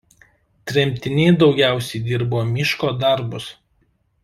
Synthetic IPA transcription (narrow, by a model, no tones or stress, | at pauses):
t̪ʲɾʲɛmʲt̪ʲɪnʲɛɪd̪ɒʊɡʲæˑʊsʲɛɪd̪ʲɪɾboːmʲɪʃkoːd̪ɐˑɾbʊs